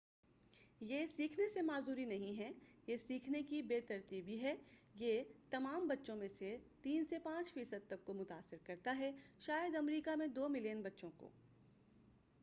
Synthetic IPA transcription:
jeːsiːkʰnesemaːzd̪uːɾinɐɦĩɦɛjesiːkʰnekibeːt̪ɐɾt̪iːbʱiɦɛjet̪ɐmaːmbɐtːʃõmẽset̪iːnsepãːt͡ʃfiːsəd̪̚t̪ɐkːomʊt̪aːsːɪɾkɐɾt̪aɦɛʃaːjəd̪ɐmɾiːkamẽd̪oːmɪljənbɐtːʃõko̰ː

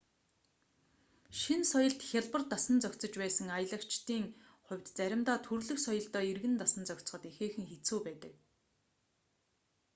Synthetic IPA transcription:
ʃinsɔjɞ̆ɮt̪xʲaɮpə̆rt̪asə̆nt͡sœkʲt͡sɞ̆t͡ɕpæːsə̆ŋajə̆ɮə̆kt͡ɕt̪iːŋχʊ̟wʲt̪t͡sæɾʲɪ̆mt̪aːt̪ʰurɮɵ̆xsɔjə̆ɮt̪œːirɣɘ̆nt̪asə̆nt͡sœkʲt͡sχɞ̆t̪exeːxɘ̆ŋxet͡suːpæːt̪ə̆k̚

